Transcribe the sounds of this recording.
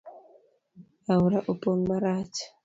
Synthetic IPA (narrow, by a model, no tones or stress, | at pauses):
auɾaʔopoŋmaɾat͡ʃḁ